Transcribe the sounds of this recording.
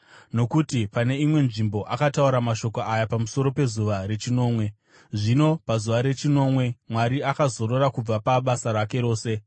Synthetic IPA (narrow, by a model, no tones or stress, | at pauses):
no̞kutipane̞imwe̞nʐimbo̞ʔakatauɾamaʃo̞koajapamuso̞ɾo̞pe̞zuʋaɾe̞t͡ʃino̞ːmwe̞ | ʐino̞pazuʋaɾe̞t͡ʃino̞ːmwe̞mwaɾiakazo̞ɾo̞ɾakub͡vapaɓasaɾake̞ɾo̞ːse̞